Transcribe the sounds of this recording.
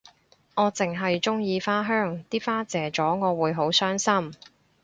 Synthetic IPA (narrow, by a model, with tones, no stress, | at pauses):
ŋɔː˨˧t͡sɪ˨ŋɦɐ˨jt͡sʊ˥ŋjiː˨˧faː˥ɦœː˥ŋt̪iː˥faː˥t͡sɛː˨˧t͡sɔː˨˥ŋɔː˨˧wuː˨˧jɦo˨˥wsœː˥ŋsɐ˥m